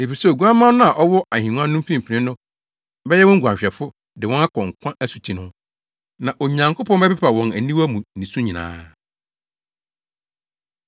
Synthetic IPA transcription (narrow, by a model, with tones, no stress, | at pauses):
e˨fi˨sɛ˦˨ɡu˦a˦mã˦nʊ̃˦a˨ʔɔ˦wɔ˦a˨hĩ˨n˦ã˦nʊ̃˦m˦fĩ˦m˨pʰi˨nɪ̃˦nʊ̃˦ | bɛ˦jɛ˦wɔ̃˦ŋ̩˦ɡʷu˨ã˨ɲɕᶣɛ˨fʊ˦ | dɪ˨wɔ̃˦na˦kʰɔ̃˨ŋkʰʷã˦ʔæ˦su̥˨tʰi˨nʊ̃˦ | nã˨ʔo˨ɲã˨ŋkʰʊ˦pʰɔ̃˦bɛ˦pɛ˦pʰa˨wɔ̃˨næ˨nĩ˦wæ˦mũ˨nĩ˨sũ˦ɲĩ˨nã̰ː˨˦